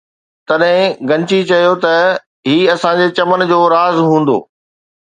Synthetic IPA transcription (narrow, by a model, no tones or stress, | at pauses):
t̪ɐɗɦɪ̃ɡɐ̃ɲt͡ɕit͡ɕɐjot̪ɐ | ɦiːɐsãd͡ʑet͡ɕɐmən̆d͡ʑoːɾaːzɦũːn̆d̪o̰ː